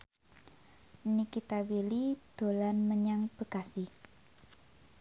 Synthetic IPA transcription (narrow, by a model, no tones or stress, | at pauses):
nikit̪awilid̪̥o̤lanməɲaŋb̥əkasi